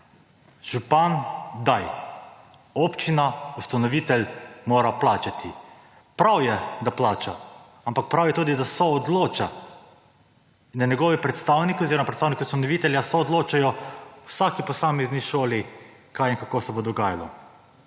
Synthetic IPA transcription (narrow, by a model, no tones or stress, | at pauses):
ʒ̥upand̪aj | ɔpt͡ʃinaust̪anɔʋit̪ɛlmoːɾaplaːt͡ʃat̪ʰi | pɾawjɛd̪aplaːt͡ʃa | ampak̚pɾawjɛt̪uːd̪id̪asɔːd̪loːt͡ʃa | naɲɛɡɔːʋipɾɛt̪st̪aːwnikioziːɾɔmapɾɛt̪saːwnikiust̪anɔʋit̪ɛljasɔːd̪loːt͡ʃajɔw̥saːkipɔsaːmɛzniʃoːli | kajinkakosɛbod̪ɔɡaːja̰lɔ̰